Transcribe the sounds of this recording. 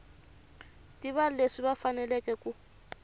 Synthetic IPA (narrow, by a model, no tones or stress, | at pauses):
tʼiβaleʂiβafanɛlɛkʼɛkʼu